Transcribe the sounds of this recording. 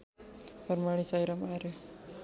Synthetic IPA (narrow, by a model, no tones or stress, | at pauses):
pəɾmaɽ̃isajɾamaɾe